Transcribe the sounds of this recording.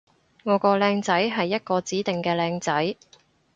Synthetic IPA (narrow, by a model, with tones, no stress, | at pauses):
ŋɔː˨˧kɔː˧lɛː˧ŋt͡sɐ˨˥jɦɐ˨jːɐ˥t̚kɔː˧t͡siː˨˥t̪ɪ˨ŋkɛː˧lɛː˧ŋt͡sɐ˨˥j